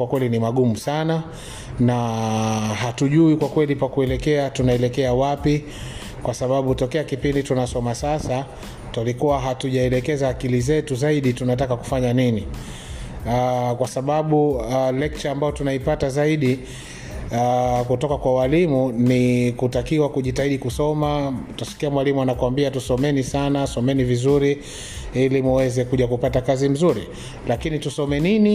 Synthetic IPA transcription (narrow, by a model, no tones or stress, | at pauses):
wakwɛlinimaɠumusana | na | ɦatuʄuikwakwɛlipakuɛlɛkɛatunaɛlɛkɛawapi | kwasaɓaɓutɔkɛakipinditunasɔmasasa | tulikuwaɦatuʄaɛlɛkɛzaːkilizɛtuzaiɗitunat̬akaku̥faɲanini | kwasaɓaɓulɛk̚t͡ʃaːmbajɔtunaipatazaiɗi | akutɔkakwawalimunikutakiwakuʄitaiɗikusɔmatasi̥kiamwalimuanakuambiatusɔmɛnisanasɔmɛnivizuɾi | ilimuwɛzɛkuʄakupatakazim̩zuɾi | lakinitusɔmɛnini